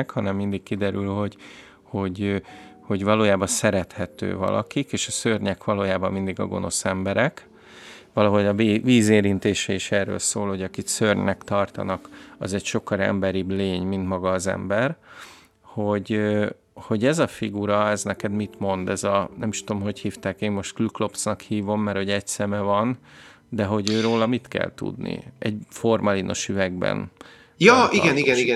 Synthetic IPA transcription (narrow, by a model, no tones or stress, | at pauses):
khɒnɛmːind̪ikkid̪ɛɾylho̞ɟ | ho̞ɟ | ho̞ɟvɒloːjaːbɒnsɛɾɛt̪hɛt̪ø̰ːvɒ̰lʔɒ̰kikeːʃɒsørɲɛkʋɒloːjaːbɒmːind̪iɡɒ̰ɡo̞̰nʔo̞sɛmbɛɾɛk | ʋɒlɒɦo̞ɟɒviːzeːɾint̪eːʃɛiʃɛːrːø̰ːlsoːlho̞ɟɒkiksørɲɛkt̪ɒrt̪ɒ̰nɒkɒzɛcʃo̞kːɒɾɛ̰mbɛɾibleːɲmint̪mɒɡɒːzɛ̰mbɛr | ho̞ɟø | ho̞ɟɛzɒfiɡuɾɒɛznɛkɛd̪mit̪mo̞nd̪ɛzɒnɛmiʃut̪o̞mho̞chiːft̪aːkeːmmo̞ʃt̪kluklo̞psnɒkhiːvo̞mːɛrho̞ɟɛɟsɛmɛvɒn | d̪ɛɦo̞ɟøːɾoːlɒmit̪kɛ̰lt̪ṵd̪nḭɛɟfo̞rmɒlino̞̰ʃyvɛɡbɛ̰n | jɒːʔiɡɛniɡɛniɡɛ